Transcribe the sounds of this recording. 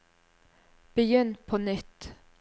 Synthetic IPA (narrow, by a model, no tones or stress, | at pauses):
b̥əjʏnpʰoːnʏt̪